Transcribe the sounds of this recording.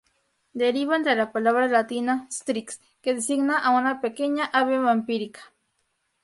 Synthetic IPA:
d̪eɾiβant̪elapalaβɾalat̪inast̪ɾiks | ked̪esiɡnaʔawanapekeɲaʔaβemampiɾikḁ

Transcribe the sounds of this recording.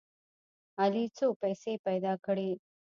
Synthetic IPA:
alit͡soːpɐjseːpɐjd̪aːkəɽeː

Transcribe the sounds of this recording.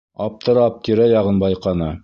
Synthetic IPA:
ɑp̚t̪ɤ̆ɾɑp̚t̪iɾæjɑʁɤnbɑjqɑnɤ

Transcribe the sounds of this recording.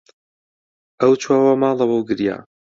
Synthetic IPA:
ʔɐwt͡ʃʰwaːwɐmɑːlˠɐwɐwɡɨɾja̰ː

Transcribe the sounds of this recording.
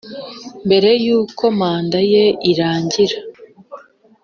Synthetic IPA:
mbe̞ɾe̞juːkʰo̞maːndaje̞iɾaːɲɟiɾa

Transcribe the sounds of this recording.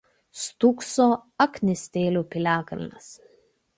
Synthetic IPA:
st̪uksoːɐknʲɪsʲt̪ʲeːlʲuːpʲɪlʲæːkɐlʲnʲɐs

